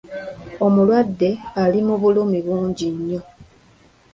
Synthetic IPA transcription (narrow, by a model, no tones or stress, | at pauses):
o̞mulwadːe̞alimuβulumiβuːɲɟiɲːo̞